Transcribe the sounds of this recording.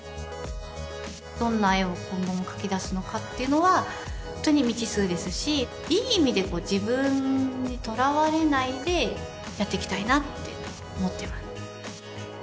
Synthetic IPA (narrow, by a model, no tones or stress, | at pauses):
d̪̥õ̞nːaiokõ̞ŋɡo̞mokḁkʲid̪asɨno̞kat̪ːe̞jɯ̟no̞βa | hont̪ːo̞ɲ̟imʲit͡ɕisɨːd̪e̞sɨɕi | iːimʲid̪e̞ko̞ːd͡ʑibɯ̟̃ɲɲːit̪o̞ɾaβaɾe̞naid̪e̞ | jat̪ːe̞kʲi̥t̪ainat̪ːe̞̰ | omo̞t̪ːe̞masɨ̥